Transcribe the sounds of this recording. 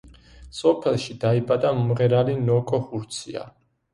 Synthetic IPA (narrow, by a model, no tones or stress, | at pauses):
sɔpʰɛlˠʃid̪̥aibʼad̪amɔmʁɛɾalinɔkʼɔhuɾt̪sʰia̰